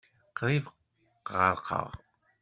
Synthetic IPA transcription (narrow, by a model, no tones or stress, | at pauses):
qɾiv | ʁəɾqʰə̰ʁ